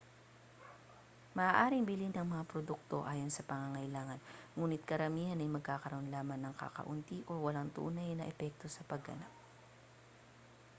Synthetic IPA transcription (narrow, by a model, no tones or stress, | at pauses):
mɐʔaːʔaːɾɪŋbɪlinɐŋmɐŋapɾod̪uk̚t̪o̞ʔaːjo̞nsɐpɐŋaŋɐjlaːŋɐnŋuːnɪt̪̚kɐɾɐmiːhɐnɐjmɐɡ̚kaːkɐɾɐʔonlaːmɐnːɐŋka̰kɐ̰ʔʊnt̪iʔo̞wɐlaŋt̪ṵːnɐjnɐʔɛpɛk̚t̪o̞sɐpɐɡɐ̰nap̚